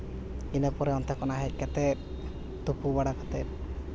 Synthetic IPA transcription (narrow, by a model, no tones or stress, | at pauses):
inepɔɾeɔnt̪ʰakɔnaɦɛkɛt̪e | t̪upubaɽakat̪e